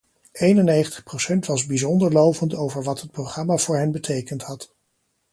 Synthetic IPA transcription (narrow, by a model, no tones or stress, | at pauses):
ejnənːejχəntʰə̥χprowsɛntʋɑzbizɔndəɹlowvəntowvəɹʋɑtɦət̚prowχrɑmaːvʊːɹɦɛnbətʰejkəntɦɑt